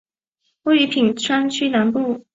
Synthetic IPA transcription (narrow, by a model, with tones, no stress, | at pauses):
we˥˩ɪy˧˥pʰi˨˩ŋʈ͡ʂʰwa˥nt͡ɕʰy˥na˧˥npu˥˩